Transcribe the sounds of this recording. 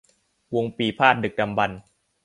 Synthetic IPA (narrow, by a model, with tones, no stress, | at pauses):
wo˧ŋpiː˨˩pʰaː˥˩t̪̚dɯ˨˩k̚da˧mba˧n